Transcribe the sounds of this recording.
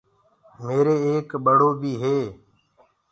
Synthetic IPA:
meːɾeːeːkɓəɽ̤oːbʱiːɦeː

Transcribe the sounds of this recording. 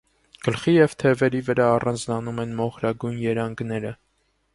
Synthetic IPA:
ɡ̥əlχijɛvt̪ʰɛvɛɾivəɾɑːrɑnd͡znɑnumɛnmɔχɾɑɡujnjɛɾɑŋɡnɛɾə

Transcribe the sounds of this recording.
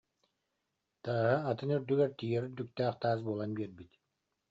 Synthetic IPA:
t̪aːɦɯat̪ɯnyɾd̪yɡɛɾt̪ijɛɾyɾd̪yk̚t̪ɛːqt̪aːzbuːlˠanbiɾbit̪

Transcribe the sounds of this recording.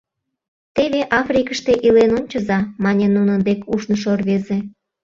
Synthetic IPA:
t̪eβeʔɑfrʲikəʃt̪e̽ʔilenonʲt͡ɕəzɑmɑnʲenunənd̪ekuʃnəʃ̬orβeze

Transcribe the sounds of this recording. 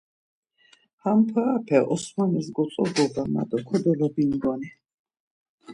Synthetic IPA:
hampʰaapʰɛʔɔsmanɛs̬ɡɔt̪sʼɔd̪ɔbama̰d̪ɔkʰɔd̪ɛlɔbind̪ɔnɛ

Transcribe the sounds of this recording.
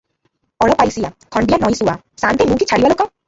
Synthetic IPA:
ɔɭɔpajsijakʰɔɳɖijanɔj̃suwa̰ | sant̪emũkit͡ʃʰaɽibalokɔ

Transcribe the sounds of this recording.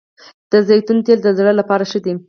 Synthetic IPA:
d̪̥əzejt̪unt̪eld̪əzɽəlapɑɾaʃəd̪i

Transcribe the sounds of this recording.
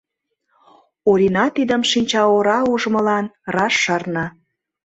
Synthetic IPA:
oɾinɑt̪id̪əmʃinʲt͡ɕɑoɾɑuʒmə̆lɑnrɑʃːɑrnɑ

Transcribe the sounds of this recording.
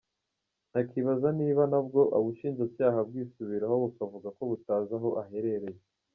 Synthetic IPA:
nakiβazaniːβanabɡo̞ʔaβuʃiːnzacaːɦab̚ɡiːsuβiɾaɦo̞βukavuɡako̞βutaːzaɦo̞ʔaɦe̞ɾe̞ɾe̞je

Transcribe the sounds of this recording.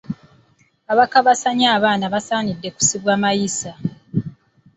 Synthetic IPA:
aβakaβasaɲaːβaːnaβasaːɲidːe̞ku̥siβwaːmajisa

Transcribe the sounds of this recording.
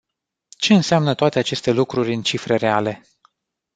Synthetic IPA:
t͡ʃe̞ɨnseamnət̪oat̪e̞at͡ʃe̞st̪e̞lukɾurʲɨnt͡ʃifɾe̞re̞ale̞

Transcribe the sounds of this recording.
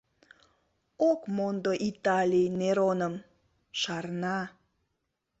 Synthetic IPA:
okmond̪oʔit̪ɑlʲijneɾonəm | ʃɑrnɑ

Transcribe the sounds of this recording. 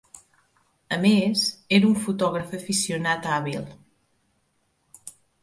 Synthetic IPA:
əmezeɾuɱfut̪ɔɣɾəfəfisijunat̪aβilˠ

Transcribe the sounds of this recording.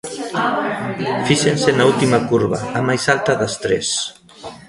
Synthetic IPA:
fiʃensenault̪imakuɾβa̰ːmajsalt̪aðast̪ɾḛs

